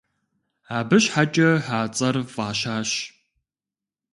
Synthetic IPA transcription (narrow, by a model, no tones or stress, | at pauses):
aːbɨɕħat͡ʃʼɐħaːt͡sʼɐrfʼaːɕaːɕ